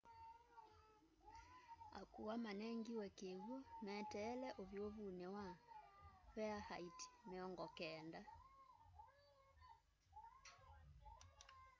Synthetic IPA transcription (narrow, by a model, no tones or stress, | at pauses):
a̰kuwamanɛŋɡiwɛkeɣumɛtɛːlɛʔoβjoβunɛwa | βɛahaiti̥meɔŋɡɔkɛːnda